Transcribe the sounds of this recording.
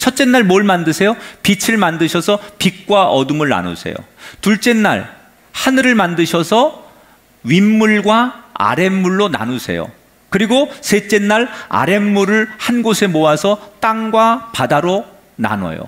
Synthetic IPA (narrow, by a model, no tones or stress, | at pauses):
t͡ɕʰʌt̚t͡ɕ͈e̞nːaɭmoɭmandɯsʰe̞jopit͡ɕʰɯɭmandɯɕʰʌsʰʌpik̚k͈waʔʌdumɯɭna̰nṵsʰe̞̰jo̰tuɭt͡ɕ͈e̞nːa̰ɭ | hanɯɾɯɭmandɯɕʰʌsʰʌ | ɥimːuɭɡwaa̰ɾe̞mːuɭːona̰nusʰe̞̰jo̰ | kɯɾiɡosʰe̞t͡ɕ͈e̞nːaɭa̰ɾe̞mːuɾɯɭhanɡosʰe̞moasʰʌt͈aŋɡwapadaɾo | na̰nʌ̰jo̰